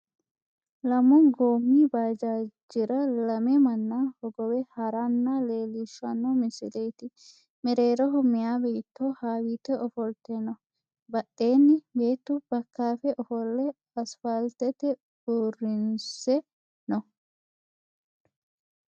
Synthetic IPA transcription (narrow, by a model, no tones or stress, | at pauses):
lɐmɔɡoːmːiːbaːd͡ʒaːd͡ʒɪɾɐlɐmɛmɐnːaːhɔɡɔwɛhɐɾanːale̞ːlɪʃːɐnːɔmɪsɪ̰lejt̪ɪ | mɛɾeːɾɔɦɔmːɪjaːbeːt̪ːɔhaːwiːt̪ːɛʔɔfɔlt̪ɛnɔ | bɐɗːe̞ːnːɪbe̞ːt̪ːʊbɐkːaːfɛʔɔfɔlːɛ | ɐsfɐlt̪ɛt̪ɛ̥ | ʊrːɪnsɛ | nɔ